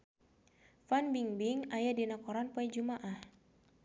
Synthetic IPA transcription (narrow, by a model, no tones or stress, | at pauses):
fanbiŋbiŋajadinakɔɾanpoɛd͡ʒumaʔah